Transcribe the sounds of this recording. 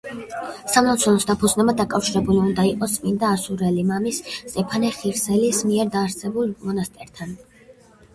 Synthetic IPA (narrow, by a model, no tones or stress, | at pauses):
samnɔt̪sʰɔnɔsd̪apʰud̪znɛbad̪akʼafʃiɾɛbuliund̪aiqʼɔsmind̪aːsuɾɛlimamist̪ʼɛpʰanɛχiɾsɛlismiɛɾd̪aːɾsɛbulˠmɔnast̪ʼɛɾt̪ʰan